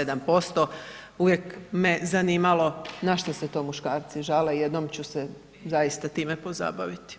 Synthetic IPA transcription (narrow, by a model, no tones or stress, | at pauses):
ed̪ampo̞st̪o̞uʋje̞kmezaniːmalo̞naʃt̪oset̪o̞muʃkaːɾt̪siʒaleje̞d̪nomt͡ɕuse | zajist̪at̪iːmepo̞za̰baʋit̪i̥